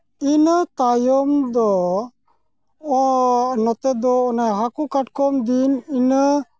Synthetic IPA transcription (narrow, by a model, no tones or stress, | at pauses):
inət̪ajɔmd̪ɔ | nɔt̪ɛd̪ɔːnajɦakukaʈkɔmd̪ininə